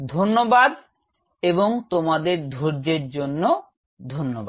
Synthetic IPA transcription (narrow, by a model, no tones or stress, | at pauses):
d̪ʱonːobad̪ | eboŋt̪omad̪eɾd̪ʱoɾd͡ʑeɾd͡ʑonːo | d̪ʱonːoba